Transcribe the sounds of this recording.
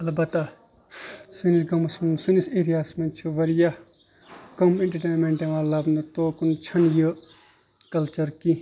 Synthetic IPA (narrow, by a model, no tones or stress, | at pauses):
ɐlbɐt̪ːa | sinilɡɐmsmsuniseːɾijaːsmɐnt͡ʃʰuʋɐɾija | kɐmĩɳʈɐʈeːnmẽɳʈẽʋaːlabnɐt̪oːkunt͡ʃʰɐnjə | kɐlt͡ʃɐɾki